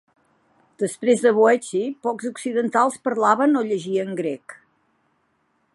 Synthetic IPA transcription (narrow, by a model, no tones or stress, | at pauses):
d̪̥əspɾezðəβoɛt͡ʃipɔkzuksiðənt̪alˠspəɾlaβənoʎəʒiəŋɡɾɛk